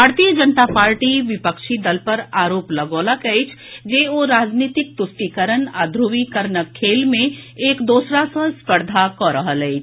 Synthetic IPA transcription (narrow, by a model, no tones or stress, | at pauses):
bʱaːɾt̪ijəd͡ʒənt̪apaːɾʈiʋɪpəkʃid̪əlpɐɾaːɾoːplɐɡoːlakɐit͡ʃʰ | d͡ʒeːoɾaːd͡ʒniːt̪ɪk̚t̪ʊsʈ̪ikəɾəna̰ːd̪ʱɾuʋikəɾnəkʰːeːlmẽeːkd̪oːsɾasə̃spəɾd̪ʱakɔɾəɦəlɛit͡ʃʰ